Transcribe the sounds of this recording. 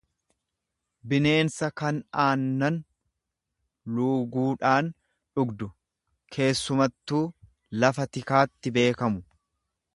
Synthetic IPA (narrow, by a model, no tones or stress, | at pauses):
bɪne̞ːnsɐkɐnaːnːɐn | luːɡuːᶑaːn | ᶑʊɡd̪ʊ | kʰe̞ːsːʊmɐt̪ːuː | lɐfɐt̪ɪkaːt̪ːɪbe̞ːkɐmʊ